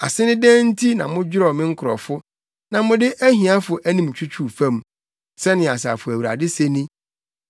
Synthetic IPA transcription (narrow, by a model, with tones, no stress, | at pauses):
a̰˨sɪ˦nɪ̃˦dɛ̃ː˦n̩˦tʰi˦nã̰˨mʊ̃˦d͡ʑᶣɪ˦ɾɔ˨mɪ̃˦ŋ̩˦kʰʊ˨ɾɔ̰˨fʊ˦ | nã˨mʊ̃˦dɪ˦ʔæ˦ɦĩ˨a˦fʊ˨ʔæ˦nĩ˨m˨t͡ɕʰᶣu˦t͡ɕʰu˦fæ̃˦m˨ | sɛ˦nɪ̃˨a˨sa̰˨fʊ˨æ˨wu˨ɾa̰˨dɪ˦se˦nĩ˦